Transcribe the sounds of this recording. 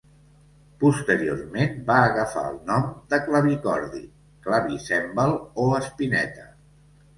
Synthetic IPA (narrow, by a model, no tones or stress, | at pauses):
pust̪əɾio̰rmenbaəɣəfa̰ə̰lˠnɔmd̪əkləβikɔɾðḭ | klaβisɛmbəlˠoəspinɛ̰t̪ə